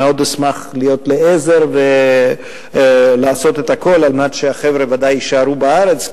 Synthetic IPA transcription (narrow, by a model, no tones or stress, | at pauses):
eo̞d̪esmaχlijo̞tleeze̞ʁve | laːso̞t̪et̪hako̞lalmat̪ʃeaχe̞vʁe̞vadajiʃaʁubaaʁe̞t͡s